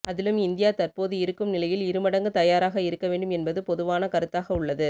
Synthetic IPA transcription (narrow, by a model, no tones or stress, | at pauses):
ɐðɪlɯmɪnd̪ɪjaːt̪ɐɾpoːðɯɪɾɯkːɯmnɪlɐjɪlɪɾɯmɐɽɐŋɡɯt̪ɐjaːɾaːɣɐɪɾɯkːɐʋeːɳɖɯmɛnbɐðɯpɔðɯʋaːnɐkɐɾɯt̪ːaːɣɐʊɭːɐðɯ